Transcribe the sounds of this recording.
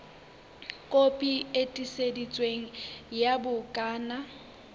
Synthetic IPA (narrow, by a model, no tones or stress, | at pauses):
kʼopʼietʼisedit͡sʼweŋ̩jabʊkʼaːna